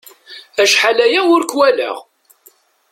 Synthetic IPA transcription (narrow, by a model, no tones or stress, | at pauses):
æʃħalæjæʊɾkwælə̰ʁ